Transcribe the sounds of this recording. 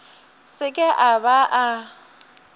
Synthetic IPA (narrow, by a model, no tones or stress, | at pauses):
sɪkʼɪʔabaʔa